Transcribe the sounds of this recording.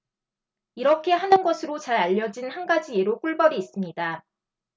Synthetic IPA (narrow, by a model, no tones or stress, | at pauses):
iɾʌkʰe̞ɦanɯnɡʌsʰɯɾot͡ɕaɾaʎːʌd͡ʑinhanɡad͡ʑieɾok͈uɭbʌɾiːs͈ɯmɲida